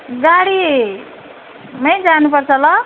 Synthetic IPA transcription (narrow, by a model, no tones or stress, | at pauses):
ɡaɽi | mʌjd͡zanupʌrt͡sʰʌlʌ